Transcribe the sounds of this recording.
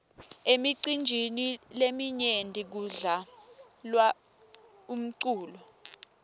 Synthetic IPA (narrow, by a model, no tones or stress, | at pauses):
emiǀind͡ʒʱinilemiɲendʱik̬uɮa | lwa | um̩ǀuːlɔ